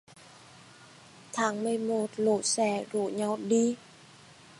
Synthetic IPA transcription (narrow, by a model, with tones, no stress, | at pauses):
t̪ʰaː˨˦ŋmɨ˨əjmo˧˩t̚lo̰˧˩sɛ˧˩zo˧˨ɲa˧wɗi˧